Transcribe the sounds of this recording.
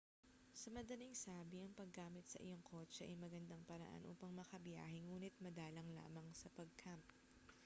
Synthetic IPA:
sɐmɐd̪ɐliŋsaːbiʔɐŋpɐɡːaːmɪt̪̚sɐ̰ʔɪ̰joŋkʰo̞ːt͡ʃɛʔɐjmɐɡɐnd̪ɐŋpɐɾɐ̰ʔa̰nʔṵːpɐŋmɐkɐbja̰ːhɪŋuːnɪt̪̚mɐd̪aːlɐŋla̰ːmɐŋsɐpɐɡ̚kʰamp

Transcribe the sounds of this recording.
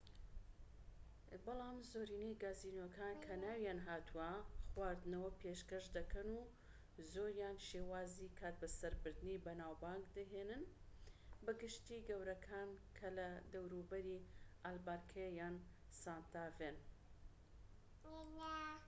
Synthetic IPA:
bɑlˠɑːmzoɾiːnejɡaːziːnokʰaːnkʰɐnaːwjaːnɦaːt̪ʰuɐχwaːɾd̪ɨnɐwɐpʰeʃkɐʃd̪ɐkʰɐnu | zoːɾjaːnʃeːwaːzikʰaːt̪̚bɐsɐɾbɨɾd̪ɨnibɐnaːwbaːŋɡd̪ɐɦenɨn | bɨɡɨʃt̪iːɡɐwɾɐkʰaːnkʰɐlɐd̪ɐwɾubɐɾiʔalbaːɾkʰɐjaːn | saːnt̪ʰaːven

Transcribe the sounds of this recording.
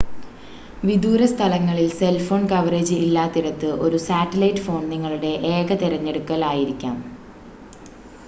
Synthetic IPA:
ʋid̪uːɾɐst̪ʰɐlɐŋːɐɭilse̞lfo̞ːnkɐʋɐɾeːd͡ʑɨilːaːt̪ːiɾɐt̪ːɨʔo̞̰ɾusaːʈːɐlɐjʈːfoːɳdiŋːɐɭuɽe̞ʔeːɡɐt̪iɾɐɲːe̞ɽukːɐlaːjiɾikʲːa̰ːm

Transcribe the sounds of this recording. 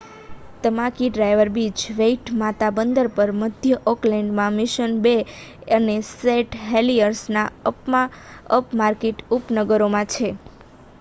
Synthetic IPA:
t̪əmãkiɖɾajʋəɾbit͡ʃʋeiʈmat̪abənd̪əɾpəɾməd̪ʱjəʔɔklɛɳɖmãmɪʃənbeəneseʈɦeliəɾsnaəpmaəpmaɾkeʈupnəɡəɾomãt͡ʃʰe

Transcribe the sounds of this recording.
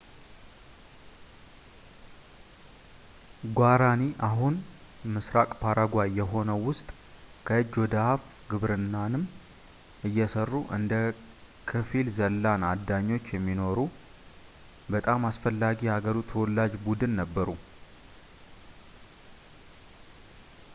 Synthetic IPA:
ɡʷaɾaniʔaɦunmɨsɾakʼpʰaɾaɡʷajɛɦo̞nəwʊst̪ʼ | kʰəɨd͡ʒːwɔd̪əhaf | ɡɨβɾɨnːanɨm | ɨjːɛsərːuʔɨnd̪ə | kʰəfilzəlːanad̪aɲːo̞t͡ʃːjɛmːino̞ɾu | bət̪ʼamasfəlːaɡihaɡəɾut̪ʰwɔlːad͡ʒbud̪ɨnːəbːəɾu

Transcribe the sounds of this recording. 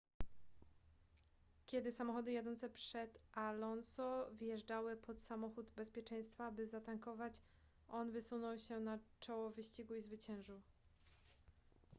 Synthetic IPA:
kʲjɛd̪ɘsamɔxɔd̪ɘjad̪ɔnt̪sɛpʂɛt̪ʔalɔnsɔvjɛʐd͡ʐawɘpʰɔt̪samɔxud̪bɛspʲjɛt͡ʂɛj̃st̪fabɘzat̪aŋkɔvat͡ɕ | ʔɔnvɘsunɔwɕɛnat͡ʂɔwɔvɘɕt͡ɕiɡuizvɘt͡ɕɛ̃w̃ʐɘw

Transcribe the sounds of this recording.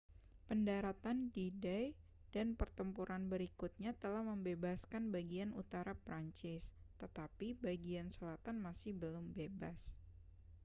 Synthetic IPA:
pəndaɾat̪andidaj | d̥anpərt̪əmpuɾʔanbəɾikut̪̚ɲat̪əlahməmbebaskanbaɡianut̪aɾapɾaɲt͡ʃɪst̪ət̪apibaɡiansəlat̪anmasɪhbəlʊmbebas

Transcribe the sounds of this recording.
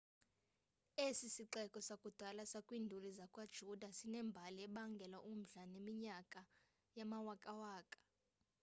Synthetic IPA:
esisiǃɛkʼɔsakʼud̥ʱalasakʼwiːndʱulizakʼwad̥ʒ̥ʱud̥ʱasinɛmbʱaliɛɓaŋɡʱɛlaʔum̩ɮanemiɲakʼa | jamawakʼawaːkʼḁ

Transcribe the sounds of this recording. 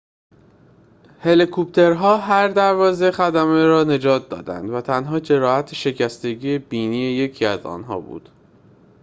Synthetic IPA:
he̞likʰop̚t̪ʰe̞ɾɦɒːɦæɾd̪æɾvɒːze̞xæd̪æmeɾɒːne̞d͡ʒɒːt̪̚ʰd̪ɒ̰ːd̪æ̰nd̪væt̪ʰænɦɒːd͡ʒe̞ɾɒːhæt̪ʰeʃe̞cʰæst̪e̞ɡiːe̞biːniːe̞je̞cʰiæzɒ̰ːnɦɒ̰ːbṵːd̪̥

